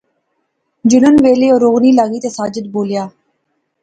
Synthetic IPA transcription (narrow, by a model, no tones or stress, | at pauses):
d͡ʒʊnənʋeːleːoːɾoːɣniːlaːɡiːt̪eːsaːd͡ʒəd̪boːljaː